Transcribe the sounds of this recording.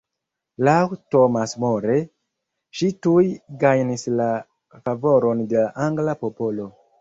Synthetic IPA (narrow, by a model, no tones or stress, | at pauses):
lawtomasmo̞ɾe | ʃitujɡajnisla | favo̞ɾo̞nde̞laʔaŋɡlapo̞po̞lo̞